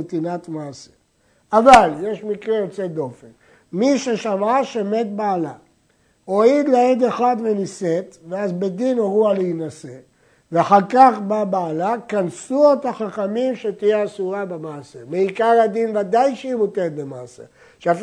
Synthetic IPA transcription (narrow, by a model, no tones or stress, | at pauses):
t̪inat̪maːse | avaljeʃmikʁejot͡sed̪o̞fen | miʃeʃamaʃeme̞t̪̚baːla | oid̪leed̪eχad̪venise̞t̪veazbe̞d̪inoʁualeinase̞ | veaχaʁkaχbabaːlakansuet̪aχaχamimʃet̪ijeasuʁabemaːsemeikaʁad̪invad̪ajʃeimot̪et̪bemaːse | ʃeaf